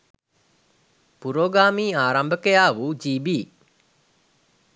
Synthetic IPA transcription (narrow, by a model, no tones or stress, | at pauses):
puɾoːɡaːmiːaːɾambəkejaːʋud͡ʒiːbiː